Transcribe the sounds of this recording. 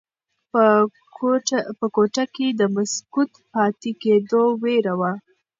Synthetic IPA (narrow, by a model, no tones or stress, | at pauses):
pəkoʈaked̪əmaskut̪pɑt̪eked̪oweɾawa